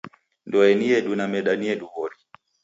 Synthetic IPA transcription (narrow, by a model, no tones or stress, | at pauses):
ndɔɛniɛɗunamɛɗaniɛɗuβɔɾi